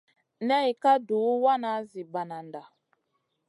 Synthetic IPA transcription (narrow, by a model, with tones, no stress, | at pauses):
nɛ˦i˨ka˦du˨˦wa˦na˨˦zi˨ba˨na˨nda˨